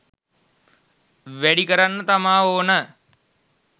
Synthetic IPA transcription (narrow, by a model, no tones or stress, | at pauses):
ʋeɽikəɾanːət̪ɐmãːɦoːnə